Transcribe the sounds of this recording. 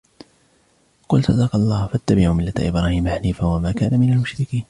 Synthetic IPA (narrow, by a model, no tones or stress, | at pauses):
qʊlsˤɑd̪ɑːqɑlˤːɑːhfat̪ːabɪʕumɪlːat̪a̰ʔɪbɾaːhiːmaħaniːfawamaːkaːnamɪnalmʊʃɾɪkiːn